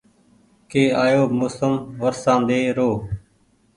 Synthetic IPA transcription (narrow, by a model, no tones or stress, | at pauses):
keːaːjoːmʊsəmʋəɾsãːnd̪eːɾoː